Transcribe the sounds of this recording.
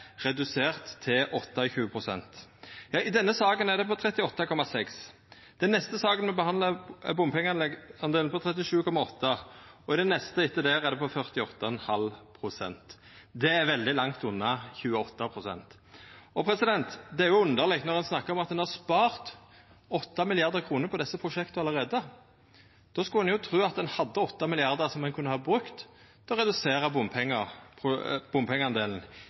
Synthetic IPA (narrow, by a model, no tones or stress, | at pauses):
ʁɛd̪ʉseːʁt̪ʰːɪlʔɔt̪ːɑçʉːəpʰʁʊsɛ̰nt̪jɑːʔɪd̪ɛnːəsɑːɡənɛʁd̪ɛpɔt̪ʰɾɛt̪ːɪɔt̪ːɑkʰɔmɑsɛks | d̪̥ɛnːɛst̪əsɑːɡənmɛbəhɑnd̪ləbʊmpɪŋɑnlɛɑnd̪eːlnpɔt̪ʰɾɛt̪ːɪʂʉːkʰɔmɑɔt̪ːɑɔɪd̪ɛnːɛst̪əɪt̪ːəd̪æːɾɛʁd̪ɛpɔfœʁt̪ɪɔt̪ːɑɛnhɑlpʰʁʊsɛ̰nt̪ | d̪ɛæɾʋɛld̪ɪlɑŋt̪ʊnːɑçʉːəɔt̪ːɑpʰʁʊsɛ̰nt̪ | ɔpʰɾɛsɪd̪ɛnt̪d̪ɛæɾjʊʉnd̪əʁlɪk̚t̪nɔʁdɛnsnɑkːəɾɔmɑt̪̚d̪ɛnhɑspɑːʁt̪ | ɔt̪ːɑmɪlɪɑʁd̪əʁkʰuːnəɾpʰɔd̪ɛsːəpʰʁʊʃɛkt̪əɑləɾeːd̪ə | d̪̥oːskɑlɛnjʊt̪ʰɾʉːɑt̪̚d̪ɛnhɑd̪ːəɔt̪ːɑmɪlɪɑʁd̪əʁsɔmɛnkʰʉnːəhɑːbʁʉkt̪ʰː | ɛɔʁɛd̪ʉseːɾɑbʊmpʰɛŋːəpʰʊb̥ʊmpʰɛŋəɑnd̪eːln̩